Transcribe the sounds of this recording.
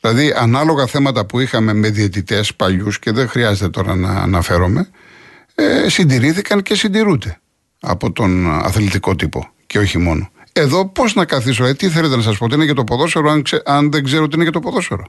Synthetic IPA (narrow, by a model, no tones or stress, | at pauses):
ðilɐðiɐnɐlo̞ɣɐθe̞mɐt̪ɐpuixɐme̞me̞ðiet̪it̪e̞spɐʎusce̞ðexɾiɐzet̪e̞t̪o̞ɾɐ̰nɐ̰nɐfe̞ɾo̞me̞ | esind̪iɾiθikɐnce̞sind̪iɾud̪e̞ | ɐ̰po̞t̪o̞nɐ̰θlit̪iko̞t̪ipo̞̰ce̞o̞çimo̞no̞e̞ðo̞po̞znɐkɐθis̬oet̪iθelet̪enɐsɐs̬pot̪iinecet̪o̞poðo̞seɾoɐeɐnðeɡzeɾooinecet̪opoðo̞seɾo̞